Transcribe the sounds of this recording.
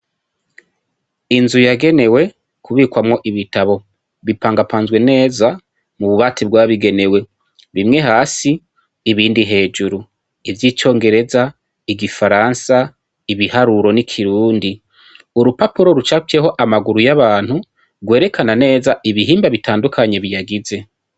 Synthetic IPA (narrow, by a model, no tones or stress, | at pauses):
inzujaɡe̞ne̞we̞ | kʰuβiːkwamŋo̞ʔiβitaβo̞ | βipaːŋɡapʰaːnzɡwe̞ne̞ːza | muβuβatib̚ɡwaːβiɡe̞ne̞we̞ | βimŋe̞ɦaːsiː | βiːndiɦe̞ːd͡ʒuɾu | ivjiːt͡ʃo̞ːŋɡe̞ɾe̞za | iɡifaɾansa | iβihaɾuɾo̞nikʰiɾuːndi | uɾupapuɾo̞ɾut͡ʃakeho̞ʔamaɡuɾujaβaːn̥hu | ɡwe̞ːɾe̞kʰanane̞ːzaʔiβiɦiːmbaβitʰaːndukʰaɲe̞βijaɡize̞